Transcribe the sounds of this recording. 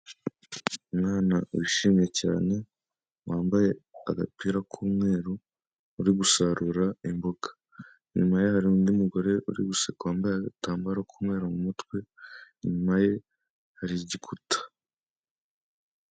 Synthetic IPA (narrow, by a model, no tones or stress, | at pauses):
umŋaːnawiʃiːmije̞caːne̞ | waːmbaje̞a̰ɡapiːɾakʰuːmŋe̞ːɾo | uɾiɡusaɾuɾaimboɡḁ | ɲumajehaɾiuːndiumuɡo̞ɾe̞ʔṵɾḭɡusekwaːmbajeɡataːmbaɾakʰuːmŋe̞ːɾomumutkwe̞ɲumaje̞ | haɾiɟikʰutḁ